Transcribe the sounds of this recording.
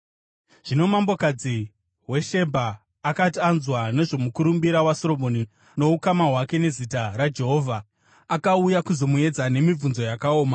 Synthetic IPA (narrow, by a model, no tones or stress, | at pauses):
ʐ̥ino̞mambo̞kad͡zi | we̞ʃe̞bʱaː | katianzwane̞ʐo̞mukuɾumbiɾawaso̞ɾo̞moni | no̞ukamaɦwake̞ne̞zitaɾad͡ʒe̞ɦo̞ːvʱa | akaujakuzo̞mue̞d͡zane̞mib͡vunzo̞jakao̞ːma